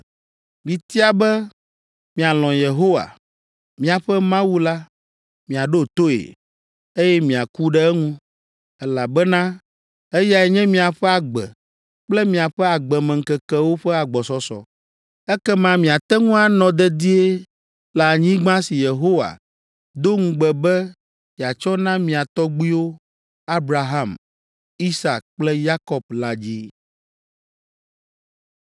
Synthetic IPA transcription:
mĩ˨t̪i˦a˨bɛ˦ | mĩ˨a˨lɔ̃˨je˨ɦo˦wa̰˨ | mĩ˨a˨ɸɛ˦mã˦wu˦la˦ | mĩ˨a˨ɖo˦t̪o˦ḛ˨ | e˦jɛ˦mĩ˨a˨ku˦ɖɛ˦ɛ˦ŋũ˦ | ɛ˦la˨bɛ˦nã˦ | e˦ja˨ɛ˨ɲɛ̃˦mĩ˦a˨ɸɛ˦a˨ɡ͡bɛ̰˨ | k͡plɛ˦mĩ˨a˨ɸɛ˦a˨ɡ͡bɛ˨mɛ˨ŋ̩˨kɛ˨kɛ˦wo˦ɸɛ˦a˨ɡ͡bɔ˨sɔ˨sɔ̰˨ | ɛ˦kɛ˦mã˦mĩ˨a˨t̪ɛ˦ŋũ˦a˦nɔ̃˨d̪ɛ˦d̪i˦e˦ | la˨ɲĩ˦ɡ͡bã˦si˨je˨ɦo˦wa̰˨ | d̪o˦ŋ̩̃˦ɡ͡bɛ˨bɛ˦ | i˨a˨t͡ʃɔ˦nã˦mĩ˨a˨t̪ɔ˦ɡ͡bi˦wo˦ | a˦bɾa˨ɦa˦˨m | i˦sa˨k̚k͡plɛ˦ja˦kɔ˨b̚la˨d͡ʑi˦

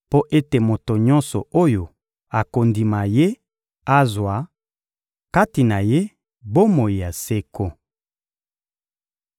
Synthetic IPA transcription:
po˦ʔe˦te˨mo˨to˨ɲɔ˦nsɔ̰˨o˦jo˨ | a˨ko˨ndi˨ma˨je˦ | a˦zwa˨ | ka˦ti˨na˨je˦ | bo˦mo˨ji˨ja˨se˦ko˦

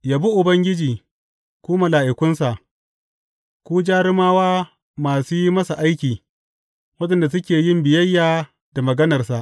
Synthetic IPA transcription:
jaː˨bu˦ʔʊ˨bɐ˦ŋɡʲɪ˦d͡ʒiː˨ | kʷuː˦ma˨laː˨ʔɪ˨kʷʊ˦nsa˨ʔ | kʷuː˦d͡ʒaː˦ɾɪ˦maː˦waː˦ | maː˨suː˦ji˦mɐ˦sa˨ʔa˦jkʲiː˨ | wɐ˦ɗɐ˨nda˨s̬ʊ˦kʲeː˨jɪ˦mbɪ˨jɐ˦jːaː˨ | d̥a˨mɐ˨ɡɐ˦nɐ˨rsa˨ʔ

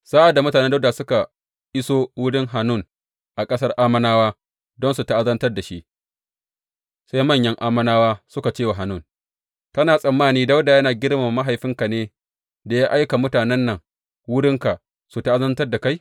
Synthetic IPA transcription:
sa˦ʔa˨da˨mʊ˦taː˨nɛ˦da˦wda˨sʊ˦ka˨ | ʔɪ˦soː˦wʊ˦ɽɪ˦ŋɦa˨nʊ˦˨n | ʔa˨kʼɐ˦sɐ˦rʔaː˦mɐ˦naː˦waː˦ | dɔ˦nsu˨ta˦˨ʔa˦zɐ˦ntɐ˦rda˨ʃi˦ʔ | sa˦jmɐ˦˨ɲjɐ˦ŋʔaː˦mɐ˦naː˦waː˦sʊ˦ka˨t͡ʃeː˦˨wa˨ɦa˨nʊ˦˨n | tɐ˦naː˨sʼɐ˨mːaː˦niː˦da˦wda˨jɐ˦naː˨ɡʲɪ˦ɽma˨ma˦ɦa˨jɸɪ˦ŋka˨neː˦ | da˨jaː˦ʔa˦jka˨mʊ˦taː˨nɛ˦nːɐ˨ŋ | wʊ˦ɽɪ˦ŋka˨ | su˨ta˦ʔa˦zɐ˦ntɐ˦rda˨ka˦j

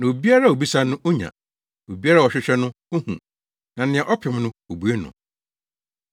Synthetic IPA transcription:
nã˨o˨bi˦a˦ɾa˦˨o˨bi˦sa˦nʊ̃˦ʔo˦ɲã̰˨ | o˨bi˦a˦ɾa˦˨ɔ˨ɕᶣɪ˦ɕᶣɛ˦nʊ̃˦ | o˦hṵ̃˨ | nã˨nɪ̃˨ɛ̃˨ʔɔ˦pʰɪ˨m˦nʊ̃˦o˨bu˨˦e˦nʊ̰̃˨

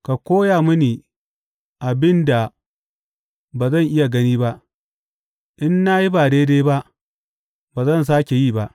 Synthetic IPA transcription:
ka˨kʷoː˦jaː˨mʊ˦niː˨ | ʔa˨bɪ˦nda˨ | baː˨zɐ˦˨ŋʔɪ˦ja˨ɡɐ˦niː˦ba˦ʔ | ʔɪ˦nːa˦ji˦baː˨deː˦deː˦ba˦ʔ | baː˨zɐ˦˨ns̬aː˦kʲe˨jiː˦˨ba˦ʔ

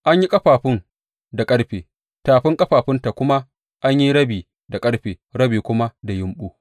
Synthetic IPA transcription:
ʔa˦ɲji˦kʼɐ˦ɸaː˨ɸɪ˦n | da˨kʼɐ˦ɽɸeː˨ | taː˨ɸɪ˦ŋkʼɐ˦ɸaː˨ɸɪ˦nta˨kʷʊ˦ma˦ | ʔa˦ɲji˦ɽɐ˦biː˨ | da˨kʼɐ˦ɽɸeː˨ɾɐ˦biː˨kʷʊ˦ma˦da˨jɪ˦mɓuː˦

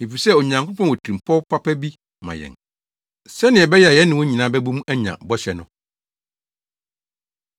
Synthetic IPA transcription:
e˨fi˨sɛ˦˨o˨ɲã˨ŋkʰʊ˦pʰɔ̃˦n˨wɔ˨tʰi˨m˨pʰɔ˦pʰa˦pʰæ˦bi˦ | mã̰˨jɛ̰̃˨ŋ | sɛ˦nɪ̃˨ɛ˨bɛ˦jɛ˨a˨jɛ˦nɪ̃˨wɔ˦ɲi˨nãː˨˦bæ˦bũ˦mæ˦ɲã̰˨bɔ˦ɕɛ˨nʊ̃˦˨

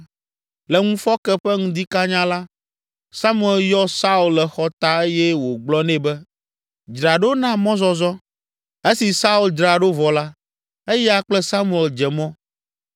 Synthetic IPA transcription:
lɛ˨ŋũ˦fɔ˦kɛ˦ɸɛ˦ŋũ˦d̪i˦ka˦ɲã˦la˦ | sa˦mu˦˨ɛ˨ljɔ˦sa˦u˨llɛ˨xɔ˦t̪a˦e˦jɛ˦wo˨ɡ͡blɔ˦nɛ̃˦bɛ˦ | d͡ʒɾa˨ɖo˦nã˦mɔ̃˦zɔ˦zɔ˦ | e˦si˨sa˦u˨ld͡ʒɾa˨ɖo˦vɔ˨la˦ | e˦jɛ˦a˨k͡plɛ˦sa˦mu˨ɛ˨ld͡ʒɛ˨mɔ̃˦

